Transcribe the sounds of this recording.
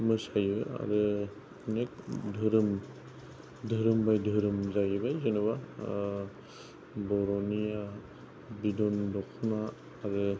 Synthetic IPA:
mɯsajbɯ̰a̰ɾɯ | nek̚dʱɯɾɯm | dʱɯɾɯmbajdʱɯɾɯmzajbajzɯnɯβa | bɔɾɔnija | bidɔndɔkʰnaː | ɾɯ

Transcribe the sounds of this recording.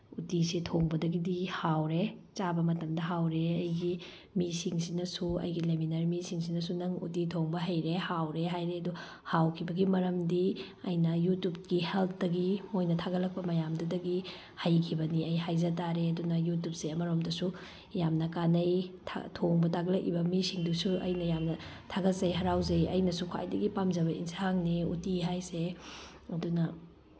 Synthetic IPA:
utisitʰoŋbɐdɐɡidihawɾet͡ʃabɐmɐtɐmdɐɦawɾeɐjɡi | misiŋsinɐsuɐ̰jɡileminɐɾmisiŋsinɐsunɐŋṵtitʰoŋbɐɦɐjɾehawɾeɦajɾeɐdu | hawkʰibɐɡimɐɾɐmdi | ɐjnɐjutup̚ɡihelp̚ʰdɐɡimojnɐtʰaɡɐlɐk̚pɐmɐjamdɐdɐɡi | hɐjkʰibɐniɐjɦajzɐtaɾeɐdunɐjut̬up̚seɐmɐɾomdɐsu | jamnɐkanɐjtʰa̰tʰoŋbɐtʰaɡlɐkʔḭbɐmisiŋdusuɐ̰jnɐjamnɐ | tʰaɡɐtzɐjɦɐɾawzɐjɐ̰jnɐsukʰwa̰jdɐɡipamzɐbɐḭnshaŋneṵtiɦajse | ɐdunɐ

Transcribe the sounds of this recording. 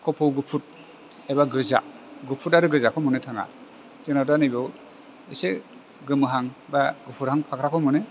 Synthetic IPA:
kʰɔpʰɔwɡɯpʰut̚ | ebaɡɯza̰ | ɡɯpʰutaɾɯɡɯzakʰɔmɔnetʰaŋa̰ | zenadanibɔw | ise | ɡɯmɯɦaŋbaɡɯpʰuɾhaŋpʰakʰɾakʰɔmɔne

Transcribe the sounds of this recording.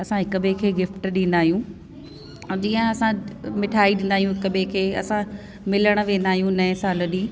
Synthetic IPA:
ɐsãɦɪkəbʱẽkʰeːɡɪfʈɗĩːn̆d̪aːɦijũ | d͡ʑiːə̃ɐsãmɪʈʰaːiɗɪ̃n̆d̪aːijũɦɪkəbʱekʰeːɐ̰sã | mɪləɽ̃̆ʋẽːn̆d̪aːɦijũnɐẽsaːlə̆ɗiː

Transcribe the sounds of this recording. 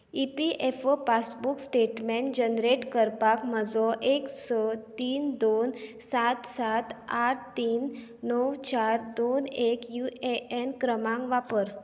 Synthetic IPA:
ipiʔefpasbuksʈeʈmẽɳʈ̚d͡ʑənɾeʈkəɾpakməd͡zɔʔeksɔt̪iːnd̪on | sat̪sat̪aʈ̚ʰt̪iːnː | əwt͡ɕaɾd̪onekjuʔeʔenkɾəmãŋʋapəɾ

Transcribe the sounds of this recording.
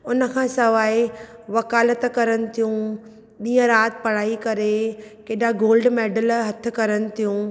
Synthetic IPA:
ʊnə̆kʰãːsɐʋaːiʋɐkaːlət̪kɐɾənɪ̆t̪ʰijũ | ɗiːə̃ɾaːt̪pɐɽ̤aːikɐɾekeːɗaɡoːlɖmeːɖəlɦɐt̪̆ʰkɐɾənɪ̆t̪ʰijũː

